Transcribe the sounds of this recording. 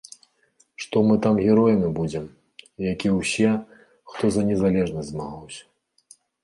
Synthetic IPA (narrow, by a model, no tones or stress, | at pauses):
ʂt̪ɔmɨt̪amɣʲɛɾɔjnɨbud͡zʲɛm | jakʲiwsʲɛ | xt̪ɔzɐnʲɛzalʲɛʐnɐzʲzmaɣawsʲɐ̥